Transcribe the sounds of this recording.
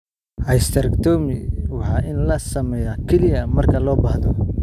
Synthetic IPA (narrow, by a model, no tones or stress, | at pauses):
ʔɐjst̪ʰɐɾɐkt̪ʰɔːmɪwɑħɑːʔɪnlɐsɐmɛːjakʰɛlɪjɐmɐrkʰɐlɔːbɐhðɔ